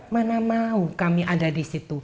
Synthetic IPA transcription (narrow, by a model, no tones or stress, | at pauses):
manamaukamiʔadadisit̪u